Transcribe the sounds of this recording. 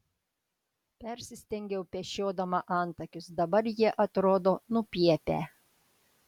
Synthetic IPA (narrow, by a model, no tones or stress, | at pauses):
pʲɛɾʲsʲɪsʲt̪ʲɛŋʲɡʲɛʊpʲɛʃʲoːd̪ɐmɐʔɑˑnt̪ɐkʲʊsd̪ɐbɐɾjiɛʔɐt̪ɾoːd̪oːnʊpʲiɛpʲæ̰ː